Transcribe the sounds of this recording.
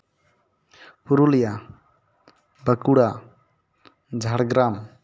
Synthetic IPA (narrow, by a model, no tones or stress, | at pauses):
puɾulija | bəkuɽa | d͡ʒʱaɽɡɾam